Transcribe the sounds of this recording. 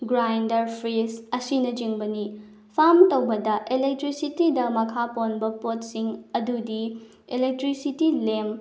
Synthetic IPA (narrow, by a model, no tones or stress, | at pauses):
ɡɾajndɐɾpʰɾesɐsinɐd͡ʒiŋbɐni | pʰamtɐwbɐdɐʔelek̚tɾisitidɐmɐkʰaponbɐpot̚siŋɐdudi | elek̚tɾisitilem